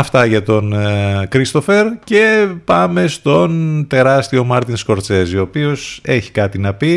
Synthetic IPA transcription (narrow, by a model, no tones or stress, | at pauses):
ɐft̪ɐʝɐt̪o̞nkɾist̪o̞fe̞ɾce̞pɐme̞st̪o̞nt̪e̞ɾɐst̪io̞mɐɾt̪insko̞ɾt͡se̞zio̞ːpio̞se̞çi̥kɐt̪inɐpi